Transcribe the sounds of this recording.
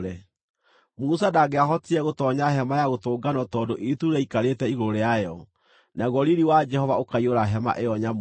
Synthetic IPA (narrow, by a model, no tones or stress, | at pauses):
ɾɛ | musadaɡeaɦɔtiɛɣotɔɲaɦɛmajaɣotoːɡanɔtɔːdoʔetuɾɛikaɾetɛiɣoɾoɾeajɔ | naɣɔɾiɾiwad͡ʒɛhɔvaokaioɾaɦɛma̰ʔeɔɲam